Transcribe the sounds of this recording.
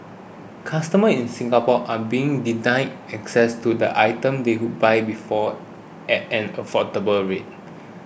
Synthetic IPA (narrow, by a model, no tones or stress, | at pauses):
kʰastəməĩnsĩŋɡapɔʔabiɪ̃ŋdinãɪ̃n | ɛksɛstudə̰ʔajtə̃mdehud̚bajbifɔ | ʔɛtɛ̃nəfɔtəbəlɹet̚